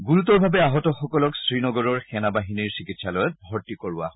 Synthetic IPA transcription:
ɡuɹutɔɹbʱabɛaɦɔtɔxɔkɔlɔksɹinɔɡɔɹɔɹxɛnabaɦiniɹsikitsalɔjɔt̚bʱɔɹtikoɹʊa̰ɦɔ

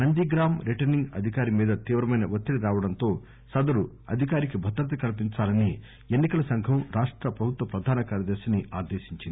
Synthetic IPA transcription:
nɐnd̪iːɡɾaːmɾiʈɐɾniŋɡɐ̰d̪ʱikaːɾimiːd̪ɐt̪iːʋɾɐmɐjnɐʋot̪ːiɽiɾaːʋɐɽɐnt̪o̞ː | sɐd̪ɐɾu | ɐ̰d̪ʱikaːɾik̬ibʱɐt̪ɾɐt̪ɐkɐlp̬int͡ʃaːlɐni | enːikɐlɐsɐŋɡʱɐmɾaːʂʈɾɐpɾɐbʱut̪ʋɐpɾɐd̪ʱaːnɐkaːɾɐd̪eːʃɐniʔaːd̪eːʃiɲt͡ʃind̪i

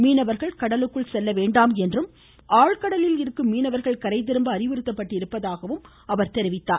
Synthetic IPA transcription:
miːnɐʋɐɾɣɐɭkɐɽɐlɯkːɯɭsɛlːɐʋeːɳɖaːmɛndrɯm | ʔaːɻkɐɽɐlɪlɪɾɯkːɯmːiːnɐʋɐɾɣɐɭkɐɾɐɪt̪̬ːɪɾɯmbɐːɾɪʋɯɾɯt̪ːɐpːɐʈːɪɾɯpːɐðaːɣɐʋɯm | ɐʋɐɾt̪ɛɾɪʋɪt̪ːaː

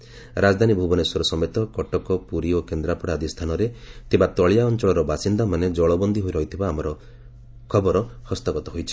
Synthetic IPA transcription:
ɾad͡ʒɔd̪ʱanibʱubɔneswɔɾɔsɔmet̪ɔkɔʈɔkɔpuɾiokend̪ɾapɔɽaːd̪ist̪ʰanɔɾet̪ʰibat̪ɔɭijaɔnt͡ʃɔɭɔɾɔbasind̪amaned͡ʒɔɭɔbɔnd̪ʱiɦojɾɔɦit̪ʰibaːmɔɾɔ | kʰɔbɔɾɔhɔst̪aɡɔt̪ɔɦojt͡ʃʰi̥

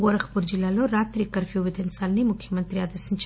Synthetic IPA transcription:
ɡɐɾɐxpuɾd͡ʒilaloɾaːt̪ɾikɐɾfiuʋit̪ensaːlnimʊkʰimɐnt̪ɾijaːd̪ɐsint͡ʃ

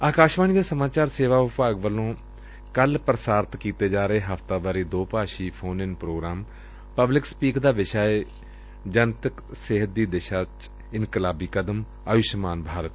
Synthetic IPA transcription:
aːkaːʃʋaːñiːd̪aːsəmaːt͡ʃaːɾseːʋaːʊpaːɡʋəlõː | kəlpɾəsaːɾt̪kiːt̪eːd͡ʒaːɾəeːɦəft̪aːbaːɾiːd̪oːpaːʃiːpʰoːnɪnpɾoːɡɾaːm | pəblɪkspiːkd̪aːʋɪʃaːeː | d͡ʒənt̪əksɪɦət̪̚d̪iːd̪eːʃaːt͡ʃ | ɪnkəlaːbiːkəd̪əm | aːʋɪʃmaːnbʱaːɾət̪

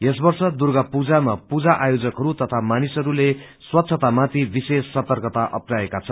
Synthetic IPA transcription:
esbʌrsʌd̪urɡʌpud͡zamapud͡zaʔajod͡zʌkɦʌɾut̪ʌt̪ʰamanisʌɾule | swʌt̪sʰʌt̪amat̪ʰibisesːʌt̪ʌrkʌt̪aʔʌ̰praekat͡sʰʌ

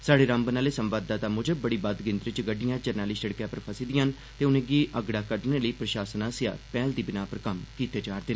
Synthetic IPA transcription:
saːɽeːɾambənaːleːsəmʋaːd̪ːaːt̪aːmʊd͡ʒəbəɽiːbad̪ɡɪnt̪ɾɪt͡ʃɡəɖːɪjãːd͡ʒəɾnaːliːsʃəɽkjaːpəɾpʰəsiːd̪ɪjãːn | t̪eːʊnẽːɡiːʔəɡɽaːkəɾɖneːləiːpɾəʃaːsənaːsja̰ːpɛːld̪iːbɪnaːpəɾkəmkiːt̪eːd͡ʒaːɾd̪eːnː

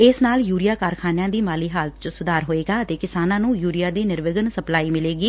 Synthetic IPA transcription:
ɪsnaːljuːɾɪjaːkaːɾkʰaːnjãːd̪iːmaːliːɦaːlət̪̚t͡ʃəsʊd̪aːɾɦoːeːɡaːət̪eːkɪsaːnãːnũːjuːɾɪjaːd̪iːnɪɾʋɪɡənsəplaːiːmɪleːɡiː

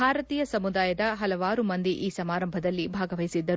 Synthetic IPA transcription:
aːɾɐt̪iːjɐsɐmud̪aːjɐd̪ɐɦɐlɐʋaːɾumɐnd̪iʔiːsɐmaːɾɐmbʱɐd̪ɐlːibʱaːɡɐʋɐjisid̪ːɐɾ

